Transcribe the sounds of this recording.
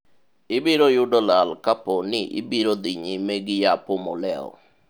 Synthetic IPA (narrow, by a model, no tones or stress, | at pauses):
ɪbiɾojʊdɔlalkaponɪʔɪ̰biɾod̪iɲimeɡɪjapomɔ̰lɛɔ̰